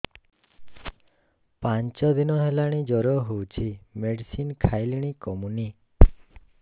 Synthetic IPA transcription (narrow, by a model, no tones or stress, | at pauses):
pant͡ʃɔd̪inɔɦelaɽ̃id͡ʒɔɾɔɦowt͡ʃʰimeɖisinkʰajliɽ̃ikɔmuni